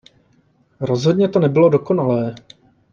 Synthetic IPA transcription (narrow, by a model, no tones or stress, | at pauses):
ɾo̞zɦo̞dɲɛt̪o̞nɛbɪlo̞do̞ko̞nalɛː